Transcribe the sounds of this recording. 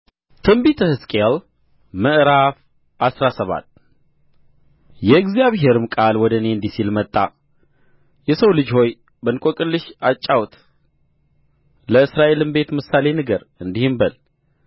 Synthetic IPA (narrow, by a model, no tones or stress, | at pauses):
t̪ʰɨmbit̪ʰəhɨskʼel | məʔɾaf | ʔasɾasəβa̰t̪ː | jɛɨɡzijaβɦe̞ɾɨmkʼalwɔd̪əneɨnd̪isilmət̪ʼːa | jɛsəwlɨd͡ʒho̞j | bənkʼokʼɨlːɨʃat͡ʃʼːawt̪ | ləɨsɾaʔe̞lɨmbe̞t̪mɨsale̞nɨɡəɾ | ɨnd̪ihɨmbəl